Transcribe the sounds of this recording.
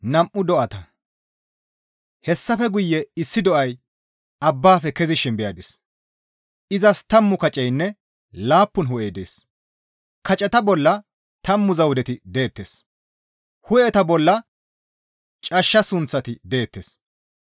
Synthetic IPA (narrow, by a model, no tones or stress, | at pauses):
nɐmʔʊd̪ɔʔɐt̪ɐ | hɛsːɐfɛɡʊjːɛɪsːɪd̪ɔʔɐj | ɐbːaːfɛkɛzɪʃɪnbɛjɐd̪ɪs | ʔɪzɐst̪ɐmːʊkɐt͡ʃʼɛjnːɛ | laːpːʊnɦʊʔejd̪ḛːs | kɐt͡ʃʼɛt̪ɐbɔlːɐ | t̪ɐmːʊzɐwd̪ɛt̪ɪd̪e̞ːt̪ːe̞̰ːs | hʊʔɛt̪ɐbɔlːɐ | t͡ʃʼɐʃːɐsʊnt͡sːɐt̪ɪd̪e̞ːt̪ːeːs